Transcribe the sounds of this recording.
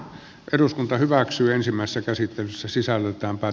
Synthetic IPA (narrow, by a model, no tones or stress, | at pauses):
ʔeruskunt̪ɑhyʋæksyːensimːˑæˑise̥sːækæsit̪ːelysːæsisælːet̪ˑæːmpæː